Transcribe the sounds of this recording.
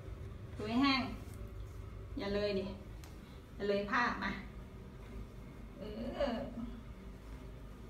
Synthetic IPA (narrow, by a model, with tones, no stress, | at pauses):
tu˧˩˦jɦɛː˧˥˩ŋ | ja˧˩lɤː˧jni˧˩ | ja˨˧˩lɤː˧jpʰaː˥˩p̚ma˧˩ | ʔɤː˧˩